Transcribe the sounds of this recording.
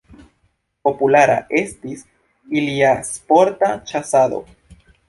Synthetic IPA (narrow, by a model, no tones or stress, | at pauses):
po̞pulaɾa̰ʔest̪is | iliaspoɾt̪at͡ʃasado̞̰